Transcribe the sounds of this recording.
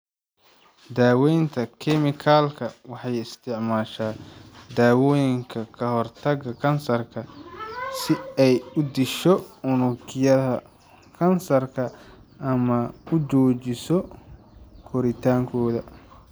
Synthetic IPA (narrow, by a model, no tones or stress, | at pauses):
d̪aːwɛjnt̪ʰɐkʰɛmɪkʰaːlkʰɐwɑħɑjɪst̪ʰɪʕmaːʃaːd̪aːwɔːjɪŋkʰɐkʰɐɦɔrt̪ʰɐɡɐkʰɐnsɐrkʰɐ | sɪɛjʊd̪ɪʃɔʊnʊkʰɪjɐðɐ | kʰɐnsɐrkʰɐʔɐmɐʊt͡ʃɔːt͡ʃɪsɔ | kʰɔɾɪt̪ʰaːŋkʰɔːðɐ